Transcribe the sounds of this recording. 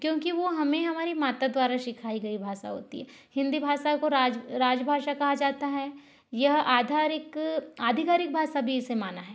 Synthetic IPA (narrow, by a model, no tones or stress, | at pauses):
kjõːkiʋoɦɐmẽɦɐmaːɾimaːt̪ad̪waːɾaʃɪkʰaːiɡɐibʱaːʃa̰ɦo̰ːt̪iɦɛː | hɪ̃nd̪ibʱaːʃakoɾaːd͡ʒɾaːd͡ʒbʱaːʃakɐɦad͡ʒaːt̪aɦɛ | jɐɦaːd̪ʱaːɾɪkaːd̪ʱɪkaːɾɪk̚bʱaːʃabʱiɪsemaːnaɦɛː